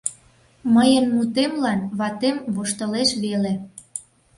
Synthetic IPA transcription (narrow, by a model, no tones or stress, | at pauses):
məjənmut̪emlɑnβɑt̪emβoʃt̪əleʃβele